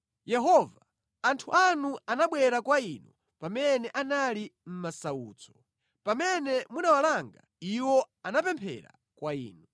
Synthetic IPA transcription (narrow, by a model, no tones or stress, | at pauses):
jɛɦɔva | antʰuʔanuanaɓwɛɾakwainɔ | pamɛnɛʔanalim̩masauːt͡sɔ̥ | pamɛnɛmunawalaŋɡa | iwɔ | anapɛmpʰɛ̰ɾa̰ | kwaḭːnɔ